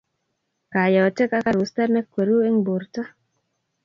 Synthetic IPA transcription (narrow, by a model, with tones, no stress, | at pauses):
ka˨jɔ˨t͡ʃe˦ka˦ka˦˨ɾu˨sta˦ɾne˦kːwe˨ɾu˦e˦ŋbu˨ɾtɔ˦